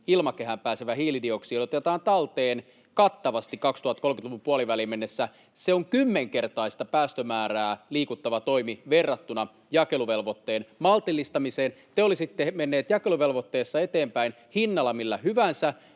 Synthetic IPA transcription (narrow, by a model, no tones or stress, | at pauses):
ilmɑkeɦæmpæːseʋæhiːlidioksiːot̪et̪ɑːnt̪ɑlt̪eːn | kɑt̪ːɑʋɑst̪ikkɑkst̪uhɑt̪kolkyt̪luʋupuɑliʋælimenːesːæ | seoŋkymːeŋkert̪ɑist̪ɑpæːst̪ømæːɾæːliːkut̪ːɑʋɑt̪o̞imiʋerːɑt̪ːunɑ | jɑkeluʋe̞lʋot̪ːeːnmɑlt̪ilːist̪ɑmiseːn | t̪eolisit̪ːemenːeːt̪jɑkeluʋe̞lʋot̪ːeːsːɑet̪eːmpæin | hinːɑlɑmilːæhyʋænsæ